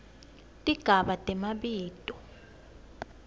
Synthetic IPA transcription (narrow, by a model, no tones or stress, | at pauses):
tʼiɡ̥ʱaɓatʼɛmaɓiːd̥ʱʼɔ